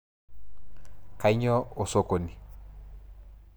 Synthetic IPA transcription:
ka˨ɪ˦ɲɔ˦o˨so˦ko˨ni˨

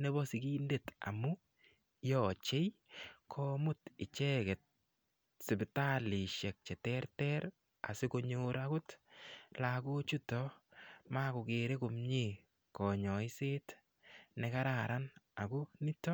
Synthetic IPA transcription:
ne˦bɔ˦si˨ki˦nde˦˨ta̰˨mu˦ | jɔ˨t͡ʃe˦jkʰɔ˦mʊ˦tɪ˨t͡ʃɛ˦kɛ˨t̚ | sɪ˨bɪta˦li˨ʃɛ˨k̚t͡ʃɛ˨tɛ˦rtɛɾ | a̰˨sɪ˦ko˦ɲo˦ɾa˦kʊ˦tla˨ko˦t͡ʃu˦tɔ˦ma˦kʊ˨ke˨ɾe˦kʊ˨mɲi˨ | kɔ˨ɲɔ˨ɪ˦seː˦t | nɛ˧ka˦ɾa˨ɾa˦na˨kʊ˦ni˦tɔ˦

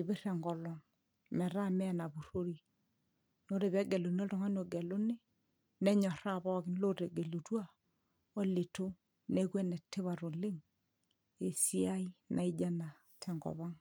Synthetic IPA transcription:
i˨βɪ˦rɛ˨ŋɡɔ˨lɔ˨ŋ | mɛ˨ɾa˦mɛ˦na˨bu˨ɾo˦ɾi˨ | no˦ɾe˨βɛ˦ɡɛ˨lo˨ni˦ɔ˦ltɔ˨ŋa˦n˦o˨ɡɛ˨lo˦nɪ˦ | nɛ˦ɲɔ˨ɾa˦bɔ˦kɪ˦nlo˦ɾe˨ɡe˨lu˨twa˦˨ | ɔ˦lɪ˨to˦ | nɛ˦kwɛ˦nɛ˨tːe˦βa˨ɾo˨lɪ˦ŋ | e˨si˦a˦i˦nʔa̰˨i˦d͡ʒa˦na˨ | tʰɛ˨ŋɡɔ̰˨βa˦ŋ

